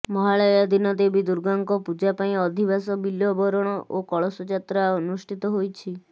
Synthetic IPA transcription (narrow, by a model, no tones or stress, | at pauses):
mɔɦaɭɔjad̪inɔd̪ebid̪uɾɡaŋkɔpud͡ʒapaĩɔd̪ʱibasɔbiljɔbɔɾɔɽ̃ɔʔokɔɭɔsɔd͡ʒat̪ɾaunusʈʰit̪ɔɦojt͡ʃʰi